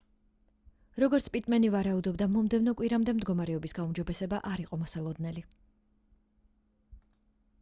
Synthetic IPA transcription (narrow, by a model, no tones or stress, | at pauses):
ɾɔɡɔɾt̪sʰpʼit̪ʼmɛnivaɾaud̪ɔbd̪amɔmd̪ɛvnɔkʼwiɾamd̪ɛmd̪ɡɔmaɾɛɔbisɡaumd͡ʒɔbɛsɛbaʔaɾiqʼɔmɔsalˠɔd̪nɛli